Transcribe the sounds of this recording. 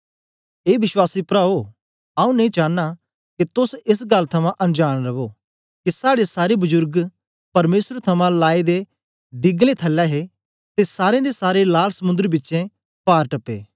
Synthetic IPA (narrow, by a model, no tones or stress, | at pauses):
eːʋɪswaːsipɾaːo | aːũneĩt͡ʃaːnːa | kit̪ʊsɪs̬ɡɐlt̪ʰɐmãʔɐ̃nd͡ʒaːɽ̃ɾɐʋo | kisaːɽesaːɾebʊzʊɾɡ | pɐɾmeːsɾt̪ʰɐmãlaːed̪e | ɖɪɡlet̪ʰɐlːɛːɦe | t̪esaːɾẽd̪esaːɾelaːlsɐmʊ̃nd̪ɾibɪtːʃẽ | paːɾʈɐpːḛː